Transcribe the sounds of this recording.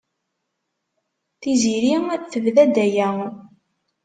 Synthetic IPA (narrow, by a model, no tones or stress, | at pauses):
θiziɾiæθəvðæd̪æjæ